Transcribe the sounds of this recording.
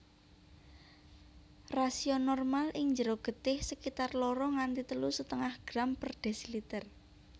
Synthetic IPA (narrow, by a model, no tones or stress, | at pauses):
rasiɔnɔrmalʔɪŋɲd͡ʒəɾoɡ̥ə̤t̪ɪhsəkit̪arlɔɾɔŋant̪it̪əlusət̪əŋahɡ̥ɾampərɖ̥ɛ̤silit̪ər